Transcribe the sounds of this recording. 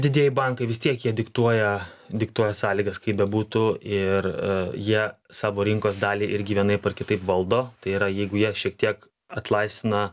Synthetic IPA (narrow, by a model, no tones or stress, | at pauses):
d̪ʲɪd̪ʲiɛjɪbɑŋkɐɪʋʲɪst̪ʲiɛkjiɛd̪ʲɪkt̪uɔjɛd̪ʲɪkt̪uɔjɛsɑːlʲiːɡɐskɐɪbʲɛbuːt̪ʊɪrjiɛ | sɑːʋoːɾʲɪŋkoːsd̪ɑːlʲiːʔɪɾʲɡʲɪʋʲiɛnɐɪpɐrkʲɪt̪ɐɪpʋɐlˠd̪oːt̪ɐɪiɾɐjɛɪɡʊjiɛʃʲiɛkt̪ʲiɛk | ɐt̪lˠɐɪst̪ʲɪnɐ